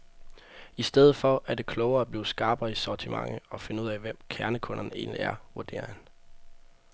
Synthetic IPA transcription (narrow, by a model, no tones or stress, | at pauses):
isd̥eð̞̩ˠfɒ̽ʔæd̥e̝kʰlɔʊɐːæb̥liːsɡ̥ɑ̈ːb̥isɒt͡sʰimɑ̈ŋəɒ̽fe̝nəuð̰ˠæʋem̰kʰæɐnəkʰɔ̽nɐne̝̰ːnliæɐʋuɐd̥e̝̰ːɐhæn